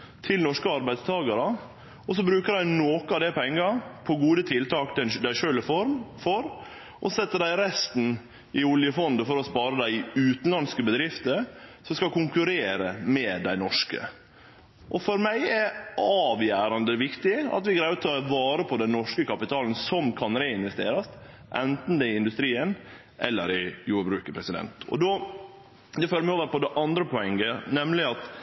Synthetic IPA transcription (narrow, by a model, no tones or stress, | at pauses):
t̪ʰɪlnɔʂkəɑɾbæɪst̪ʰɑːɡɑɾə | ɔs̬ɔbɾʉːkədæɪnoːkəɑʋd̪ɛpʰɛŋːɑpʰɔɡuːd̪ət̪ʰɪlt̪ʰɑːkt̪ɛnd̪æɪʃøːləfɔɾmfɔɾ | ʔɔsɛt̪ːəɖ̪æɪɾɛst̪n̩ | ɪʊljəfɔnd̪əfɔɾɔspɑːɾəd̪æɪʉːt̪nlɑnskəbəd̪ɾɪft̪əɾsɔmskɑkʊŋkʉɾeːɾəmɛd̪æɪnɔʂkə̰ | ʔɔfɔɾmæɪɛɾɑːʋjæːɾɑnd̪əʋɪkt̪ɪɑ̰t̪ʋɪɡɾæɪt̪ʰʋɑːɾəpʰɔd̪ɛnːɔʂkəkɑpɪt̪ʰɑːln̩sɔmkʰɑnɾeːɪnʋɛst̪eːɾɑst̪ | ʔɛnt̪n̩d̪ɛɪɪnd̪ʉst̪ɾiːən | ʔɛ̰lːəɾɪjuːɾbɾʉːkəpʰɾɛsɪd̪ɛ̰nt̪ɔ̰d̪ɔː | d̪ɛføːɾmɪoːʋəɾpɔd̪ɛʔɑnd̪ɾəpʰɔɛŋːənɛmlɪɑt̪